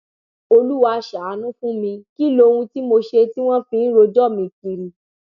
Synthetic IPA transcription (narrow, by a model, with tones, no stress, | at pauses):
o˧lu˦wa˧ʃa˨a˨˦nũ˦fũ˦mĩ˧ki˦lo˧ũ˧ti˦mo˧ʃe˧ti˦w̃ɔ̃˦fĩ˧˦n̩˦ɾo˧d͡ʒɔ˦˨mĩ˧ki˧ɾi˨